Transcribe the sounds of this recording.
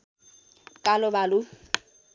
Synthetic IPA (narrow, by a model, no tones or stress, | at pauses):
kʼalʊbalʊ